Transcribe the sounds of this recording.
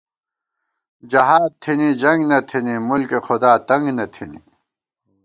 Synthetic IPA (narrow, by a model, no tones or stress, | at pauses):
d͡ʑɐɦaːd̪̚t̪ʰinid͡ʑɐŋɡnɐt̪ʰinimulkexod̪aːt̪ɐŋɡnɐt̪ʰinḭ